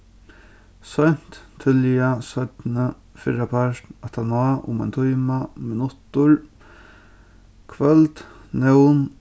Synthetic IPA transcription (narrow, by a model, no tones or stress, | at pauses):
sœjn̥t̪ʰːɪlasœt̪nə | fɪɾapʰaɾt̪at̪ʰanaːʔʊ̰mɛjnt̪ʰujmamɪnʊt̪ʊɾ | kʰvœlt̪ | nɛwn